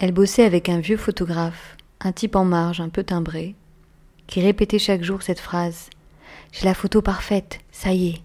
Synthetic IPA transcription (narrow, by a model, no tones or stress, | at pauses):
ɛlbɔsɛavɛkɛ̃vjøfɔt̪ɔɡʁaf | ʔɛ̃t̪ipɑ̃maʁʃɛ̃pøt̪ɛ̃bʁe | kʲʰiʁepet̪ɛʃakʒuʁsɛt̪fχaz | ʒ̥ɛlafot̪opaʁfɛt̪saje